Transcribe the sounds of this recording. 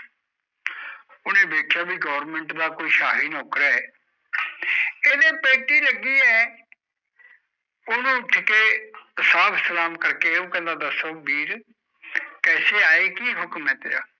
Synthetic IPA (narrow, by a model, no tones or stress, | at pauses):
ʊnẽːbeːkʰjaːbiːɡɔːɾmẽɳʈd̪aːkoːiːʃaːɦiːnɔːkɾaːɛː | eːd̪eːpeːʈiːləɡiːɛː | ʊnũːʈʰːɪkeːsaːbsəlaːmkəɾkeːõːkɛ̃ːnd̪ãːd̪əsoːbiːɾ | kɛːseːaːeːkiːɦʊkmɛ̃ːt̪eja̰ː